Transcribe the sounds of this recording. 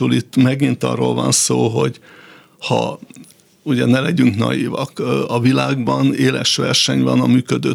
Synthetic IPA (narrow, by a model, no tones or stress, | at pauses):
ulit̪ːmɛɡint̪ɒ̰rːoːlvɒnsoːɦo̞ɟ | hɒ | uɟɛnɛlɛɟyŋknɒ̰jiːvɒkɒvilaːɡbɒneːlɛʃʋɛrʃɛɲvɒnɒmyːkød̪øː